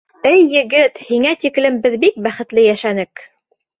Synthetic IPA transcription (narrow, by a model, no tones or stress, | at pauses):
ɘjːɘ̆ɡɘt̪hiŋæt̪iklɘ̆mbɘðbik̚bæχɘ̆t̪lɘjæʃænɘk